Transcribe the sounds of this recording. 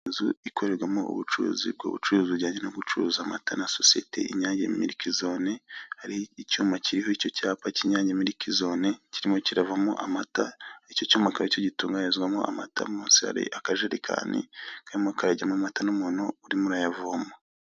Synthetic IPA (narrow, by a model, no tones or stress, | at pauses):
zuikʰo̞ɾe̞ɾɡwamo̰ʔṵβut͡ʃuɾṵzḭb̚ɡo̰ːβṵt͡ʃuɾuziɟaːɲɟennoɡut͡ʃuɾuzama̰tanasosije̞̰tʰḛḭɲaːɲɟḛmiɾikizo̞ne̞haɾiicuːmaciɾiho̞ico̞caːpaciɲaːɲɟemiɾikʰizo̞neciɾimo̞ciɾavamoʔamataicocuːmakaɾocoɟituːŋɡaezɡwamoa̰ma̰tʰa̰muːnsiha̰ɾḭʔakaʒeɾekʰa̰ːnḭkaɾimoakaɾaɟamomatanomunouɾimuɾajavuamo